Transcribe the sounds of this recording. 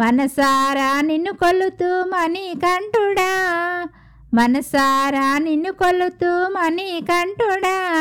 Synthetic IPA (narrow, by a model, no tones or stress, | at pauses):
mɐnɐsaːɾaːninːukolut̪uːmɐnikɐɳʈuɽaː | mɐnɐsaːɾaːninːukolut̪uːmɐnikɐɳʈuɽaː